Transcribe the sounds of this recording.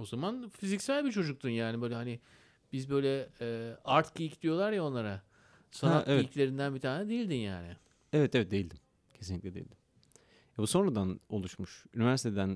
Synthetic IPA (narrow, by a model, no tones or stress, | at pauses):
o̞zamanfizicsælʲbit͡ʃʰo̞d͡ʒuk̚t̪ʰunjaːnibøjlʲɛɦanɪ | b̥izbø̞jlʲɛɛːaɾt̪cijicd̪ʲijo̞lˠaɾjao̞nːˠaɾa | sanaevɛjiclʲe̞ɾind̪ænbit̪ʰaːnɛd̪e̞jilʲd̪inja̰ːnɪ | evɛt̪vɛt̪̚d̪e̞jilʲd̪im | cʰe̞sinʲiclʲɛd̪ejḭlʲd̪im | vabuso̞nɾad̪ano̞lˠuʃmuʃy̰nivæɾsit̪ʰed̪æn